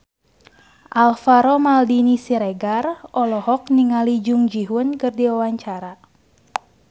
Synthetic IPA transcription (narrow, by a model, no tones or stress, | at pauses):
ʔalfaɾɔmaldinisiɾɛɡarɔlɔhɔkniŋalid͡ʒuŋd͡ʒiɦunkɨrdiwawaɲt͡ʃaɾa